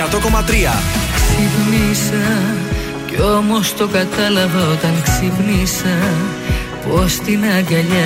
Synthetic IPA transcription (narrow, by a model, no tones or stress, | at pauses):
at̪okomɐt̪ɾiɐ̰ksipnisɐ | ceomo̞st̪o̞kɐt̪ɐlɐvɐot̪ɐŋksipnisɐ | post̪inɐɡɐʎɐ